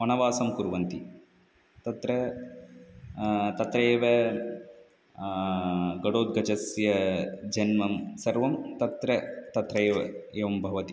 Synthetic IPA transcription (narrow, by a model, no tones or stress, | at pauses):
ɔnɐʋaːsɐmkuɾʋɐnt̪i | t̪ɐt̪ɾɐ | t̪ɐt̪ɾɐeːʋɐ | ɡɐɽoːd̪̚ɡɐt͡ʃɐsjɐd͡ʒɐnmɐmsɐɾʋɐmt̪ɐt̪ɾɐt̪ɐt̪ɾɐːʋɐ̰eːʋɐmbʱɐʋɐt̪i̥